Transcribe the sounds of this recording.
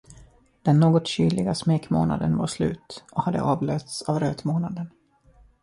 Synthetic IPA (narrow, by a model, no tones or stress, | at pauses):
d̪̥ɛnːoːɡɔt̪ɕyːlɪɡasmeːkmo̰ːna̰d̪ənvaɾʂlʉ̟ːt̪ʔɔhad̪ːə̰ʔɑːvløːt̪savɾøːt̪moːnad̪ən